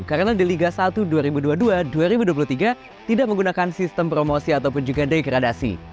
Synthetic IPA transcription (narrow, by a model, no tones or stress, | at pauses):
kaɾənadiliɡasat̪uduaɾibuduaduaduaɾibuduap̬uluht̪iɡa | t̪idak̚məŋɡunakansist̪əmpɾomosiat̪awpʊnd͡ʒuɡadajkəɾadasḭ